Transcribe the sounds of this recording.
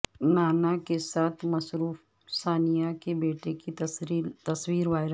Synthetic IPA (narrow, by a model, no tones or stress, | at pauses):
naːnakesaːt̪ʰmɐsɾuːf | saːnijakebeːʈekit̪t̪ɐswiːɾʋaːɪɾ